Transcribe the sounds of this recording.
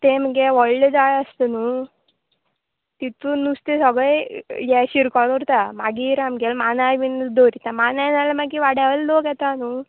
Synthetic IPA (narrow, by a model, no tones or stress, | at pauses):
t̪emɡeʋɔɭled͡zajəst̪ənu | t̪it̪unust̪esɔɡɭejjɛɕiɾkɔɽuɾt̪amaɡiɾamɡɛlmanaʋind̪oɾit̪amananalamaɡiʋaɽaʋəllokjɛt̪anu